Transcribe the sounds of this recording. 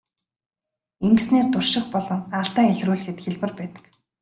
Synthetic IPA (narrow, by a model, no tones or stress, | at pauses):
eŋɡɘsneːrt̪ʊrʃɪ̆χpɔɮɞ̆ŋaɮt̪æːexruːɮ̆xɘ̆t̪xeɮpɘ̆rpæːt̪ə̥̆k